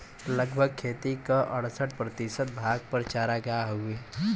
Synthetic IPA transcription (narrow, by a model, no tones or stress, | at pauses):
ləɡbʱəɡ̚kʰeːt̪ikaʔəɽsəʈ̚pɾət̪isət̪̚bʱaːɡ̚pəɾt͡ʃaːɾaɡɐjaɦoe